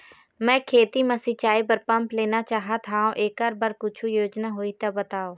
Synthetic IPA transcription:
mɛ̃ːkʰeːt̪iməsit͡ʃaːibəɾpə̃mpleːnat͡ʃaːɦat̪ʰaːõʔeːkəɾbəɾkʊt͡ʃʰujoːd͡ʒnaɦoit̪abət̪aːoː

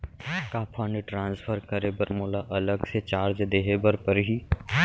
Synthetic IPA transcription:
kaːpʰaːniʈɾãːnspʰəɾkəɾeːbəɾmoːlaʔɐləɡset͡ʃaːɾd͡ʒd̪eːɦebəɾpəɾɦi

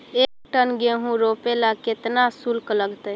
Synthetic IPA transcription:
ekʈənɡeɦũɾopelaket̪nasulkləɡt̪əj

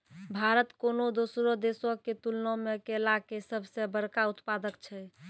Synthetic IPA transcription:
bʱaɾət̪konod̪osɾod̪esɔket̪ulnõmekelakesəbʱsebəɾkaut̪pad̪əkt͡ʃʰɛ

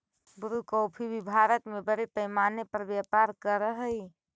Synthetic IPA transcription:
buɾukəːpʰibʱibʱaɾət̪mebəɾepəjmaːnepəɾbjapaɾkəɾəɦəj

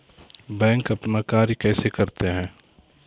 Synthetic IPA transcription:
bɛ̃ːŋkɐpnakaːɾikɛːsekɐɾt̪eɦɛ̃ː

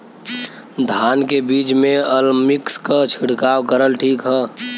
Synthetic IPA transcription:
d̪ʱaːnkebiːt͡ʃmẽəlmɪkskat͡ʃʰiɽkaːwkəɾəlʈʰiːkɦɛː

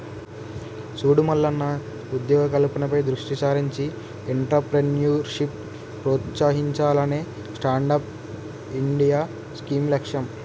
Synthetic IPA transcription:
suːɽumɐlːɐnːɐ | ud̪jɔːɡɐkɐlupɐnɐpɐjd̪ɾuʂʈisaːɾiɲt͡ʃi | eɳʈɐpɾenjuːɾʂip | pɾoːt̪saːɦiɲt͡ʃaːlɐne̞ː | sʈaːɳɖaːp̚ | iɳɖijaː | skiːmlekʂɐm

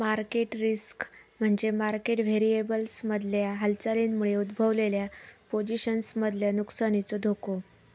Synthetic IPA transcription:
maɾkeʈɾiskm̤əɳd͡zemaɾkeʈʋeɾiebəlsməd̪ʱljaɦəlt͡salinmuɭeud̪bʱəʋleljapod͡ʑiɕənsməd̪ʱljanuksañit͡sod̪ʱoko

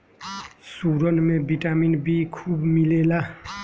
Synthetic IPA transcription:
suɾʌnmebʱiʈaminbikʰubmilela

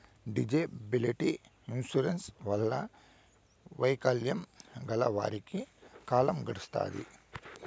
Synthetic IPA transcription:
ɖid͡ʒebiliʈi | insuɾensʋɐlːɐ | ʋɐjkɐljɐmɡɐlɐ̰ʋa̰ːɾikikaːlɐmɡɐɽust̪a̰ːd̪ḭ

